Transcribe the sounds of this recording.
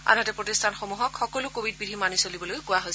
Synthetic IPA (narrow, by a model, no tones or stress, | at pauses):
a̰natɛpɹotistʰanxomuɦɔkʰxɔkɔlʊkobʱid̚bidʱimanisolibɔlojkʊjaɦojs